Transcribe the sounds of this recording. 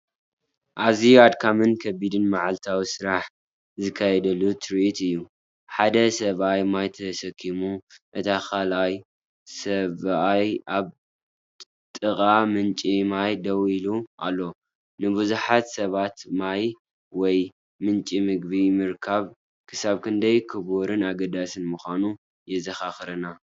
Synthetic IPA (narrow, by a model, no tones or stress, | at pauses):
ʔaziad̪kʰamɨnkʰɐbid̪ɨnmaʕalt̪ʰawisɨɾaħ | zɨkʰːajɛd̪ɐlut̪ʰɨɾit̪ɨjːu | ħad̪ɐsɐβajmajt̪ʰɐsɐkʰːimuʔɨt̪ʰaxalaj | sɐβajʔaβ | t̪ʼɨkʼamɨnt͡ʃʼimajd̪ɐwiluʔa̰lːo̞ | nɨbɨzuħat̪sɐβat̪maj | wɔj | mɨnt͡ʃʼimɨɡ̚bimɨɾkʰaβ | kʰɨsaβkʰɨnd̪ɐjkʰɨboɾɨnaɡɐd̪asɨnmuxʷanu | jɛzɐxaxɾɐna